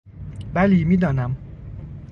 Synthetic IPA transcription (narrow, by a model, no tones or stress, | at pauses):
bæliːmiːd̪ɒːnæm